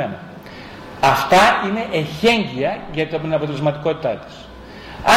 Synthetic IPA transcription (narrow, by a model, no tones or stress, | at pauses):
enɐ | ɐft̪ɐine̞ʔeçe̞ɲɟiɐʝɐt̪iopt̪inɐpot̪ele̞zmɐt̪i̥ko̞t̪it̪ɐt̪i̥s | ɐ